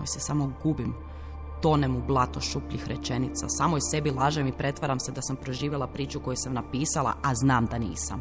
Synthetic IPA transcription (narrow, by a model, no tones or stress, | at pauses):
ojsesamo̞ɡubim | t̪o̞nemublˠat̪oʃupʎixɾet͡ʃe̞nit̪sa̰saːmojse̞bilˠaʒemipɾe̞t̪ʋaɾamsed̪asampɾo̞ʒiːʋjelˠapɾiːt͡ʃuko̞jusamnapiːsalˠa̰aznaːmd̪anḭːsa̰m